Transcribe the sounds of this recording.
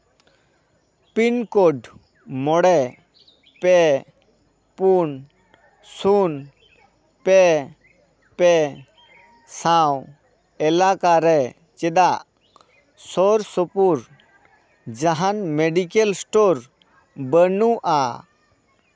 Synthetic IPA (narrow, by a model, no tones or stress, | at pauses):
pinkoɖ | mɔɽɛ | pɛ | pun | sun | pɛ | pɛ | sãw | ɛlakaɾɛ | t͡ʃɛd̪aʔ | sɔɾsɔpuɾ | d͡ʒaɦanmeɖikelsʈoɾ | bənuʔa